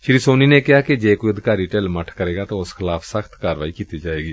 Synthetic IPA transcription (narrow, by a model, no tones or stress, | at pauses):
ʃɪɾiːsoːniːneːkɪɦaːkɪd͡ʒeːkoːiəd̪ɪkaːɾiːʈɛːlməʈʰkəɾeːɡaːt̪ãːʊsxʰɪlaːpʰsəxʰt̪kaːɾʋaːiːkiːt̪iːd͡ʒaːeːɡiː